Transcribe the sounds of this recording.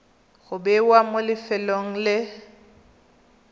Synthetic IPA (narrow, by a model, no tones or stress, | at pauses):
ɣʊbɛwamolɪfɛloŋ̩lɪ